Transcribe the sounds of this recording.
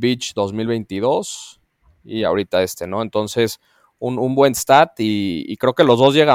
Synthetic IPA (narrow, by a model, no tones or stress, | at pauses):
bit͡ʃd̪o̞zmilβe̞jnt̪iðo̞s | ia̰oɾit̪aest̪e̞no̞e̞nt̪o̞nse̞s | unumbwe̞nst̪at̪ḭːkɾe̞oke̞lo̞zðo̞zʝe̞ɣa